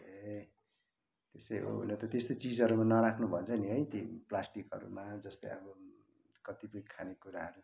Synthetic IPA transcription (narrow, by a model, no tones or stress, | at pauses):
e | t̪esʌjɦo̰ɦṵnʌt̪ʌt̪est̪ot͡sid͡zʌɾumanʌɾakʰnubʱʌt͡sʰʌniɦʌjt̪iplasʈikɦʌ̰ɾṵmad͡zʌst̪ʌ̰jʌ̰bʌ | kʌt̪ipʌikʰanekuɾaɦʌɾu